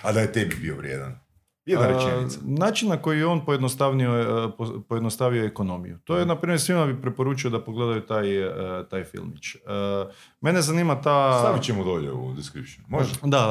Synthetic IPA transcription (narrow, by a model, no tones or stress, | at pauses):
ad̪ajet̪ebibḭoʋɾjḛd̪a̰n | jed̪naɾet͡ʃenaːt͡ʃinnako̞jijeo̞npojed̪nost̪aʋniopopojed̪nost̪aʋioekono̞mḭjut̪o̞jenapɾiːmjeɾsʋimabipɾepo̞ɾuːt͡ʃio̞d̪apoɡle̞d̪ajut̪ajt̪ajfḭlˠmit͡ʃə | me̞ne̞zaniːmat̪asabit͡ɕemod̪oʎḛṵd̪iskɾipʃnumoʒɛd̪a